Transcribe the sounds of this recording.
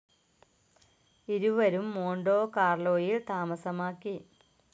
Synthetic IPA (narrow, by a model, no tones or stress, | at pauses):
iɾuʋɐɾumːoːɳɖoːkaːrɭo̞ːjilt̪aːmɐsɐmaːkːi